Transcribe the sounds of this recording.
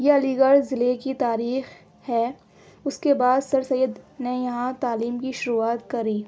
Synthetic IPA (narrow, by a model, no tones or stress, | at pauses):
jeɐliːɡəɾzɪlekit̪aːɾiːx | hɛː | ʊskebaːd̪sɐɾsɐjːəd̪nejɐɦãt̪aːliːmkiʃʊɾuːaːt̪kɐɾiː